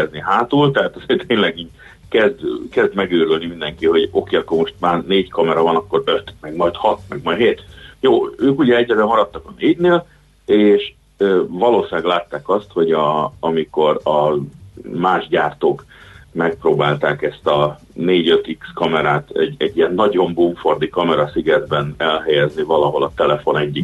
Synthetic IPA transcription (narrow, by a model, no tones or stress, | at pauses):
ɛzniɦaːt̪ult̪ɛɦaːt̪ɒzert̪eːɲlɛɡiːɟ̚ | kɛzd̪kɛzd̪mɛɡøːɾølnimind̪ɛŋkiho̞ɟo̞keːɒkːormo̞ʃt̪̚maːrneːɟkɒmɛɾɒvɒnɒkːo̞ɾøt̪mɛɡmɒjt̪hɒt̪mɛɡmɒɦeːt̪joːøːkuɟɛɛɟːɛd̪ɛmɒɾɒt̪ːɒkɒneːɟneːl | eːʃ | øːvɒloːsinɛɡlaːt̪ːaːkɒst̪ho̞ɟɒɒmiko̞ɾɒ | maːʒɟaːrt̪oːkmɛk̚proːbaːlt̪aːkɛst̪ɒ | neːɟø̞t̪ikskɒmɛɾaːt̪ɛ̰ɟɛɟːijɛnːɒɟo̞mbuɱfo̞rd̪ikɒmɛɾɒsiɡɛd̪bɛnɛlɦɛjɛznivɒlɒɦo̞lɒt̪ɛlɛfo̞nɛɟːi